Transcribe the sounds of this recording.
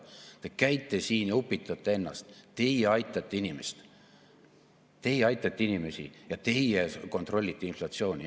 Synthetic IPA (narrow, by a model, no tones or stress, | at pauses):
t̪ekæjt̪ːˑesiːnjɑupːˑit̪ːˑɑt̪ːˑee̞nːɑ̰st̪t̪e̞jeɑjt̪ˑːɑt̪ːeinimest̪ | t̪e̞jeɑjt̪ˑːɑt̪ːˑeinime̞sḭjɑt̪e̞jeko̞nt̪ˑro̞lʲːit̪ːˑeinflɑt̪sio̞ːnʲi